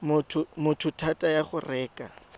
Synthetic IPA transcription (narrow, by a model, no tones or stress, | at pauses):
mʊtʰʊmʊtʰʊtʰatʼajaχʊrɛːkʼa̰